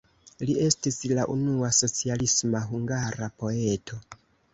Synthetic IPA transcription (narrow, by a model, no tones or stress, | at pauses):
lie̞stislaʔunuaso̞t͡sialismaɦuŋɡaɾapo̞e̞tʰo̞